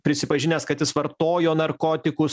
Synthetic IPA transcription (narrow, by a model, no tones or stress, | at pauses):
pʲɾʲɪsʲɪpɐʒʲɪnʲeːskɐt̪jɪsʋɐɾt̪oːjoːnɐɾkoːt̪ʲɪkʊs